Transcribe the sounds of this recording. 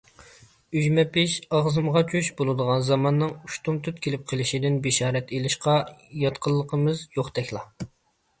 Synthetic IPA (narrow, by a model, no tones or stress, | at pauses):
yʒmɛpɪʃɑʁzɨmʁɑt͡ʃʰyʃbolˠɨd̪əʁɑnzɑmɑnːɨŋuʃt̪umt̪ʰyt̪kʲʰelɪp̚qʰəlˠɪʃid̪ɪnbeʃɑːɾɛt̪ʰelɪʃqɑjɑt̪qʰəlˠːəqʰəmɨzjoχt̪ɛkʲlˠɑ